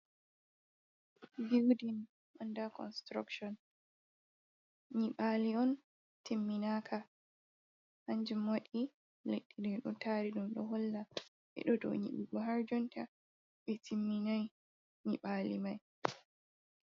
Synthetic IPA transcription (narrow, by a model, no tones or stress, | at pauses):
biwdin | ɓandakɔnstɾa̰kʃɔn | ɲiɓaːliɔn | timːinaːkʰa | haɲd͡ʒumwaɗi | leɗːidɛɗṵntaːɾiɗumɗɔ̰ɦɔlːa | ʔɛ̰ɗɔdɔ̰ɲḭɗiɡɔɦaɾd͡ʒɔnta | ɓɛtʰimːinaj | ɲiɓaːlimaj